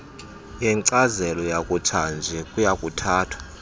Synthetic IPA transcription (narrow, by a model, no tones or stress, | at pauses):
jɛŋǀazɛlɔjakʼutʰand͡ʒʱɛkʼujakʼutʰaːtʰwḁ